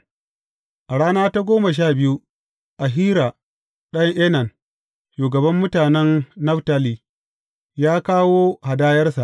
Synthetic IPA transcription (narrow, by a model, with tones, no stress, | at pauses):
ʔa˨ɽaː˦naː˦ta˦ɡʷoː˦mɐ˨ʃ̬aː˦˨bɪ˦ju˦ | ʔa˨ɦiː˦ɾa˨ | ɗɐ˦ŋʔeː˦nɐ˨n | ʃuː˨ɡɐ˨bɐ˦mːʊ˦taː˨nɛ˦nːɐ˦ɸta˦liː˨ | jaː˦kaː˦woː˦ha˨daː˦jɐ˦rsa˨ʔ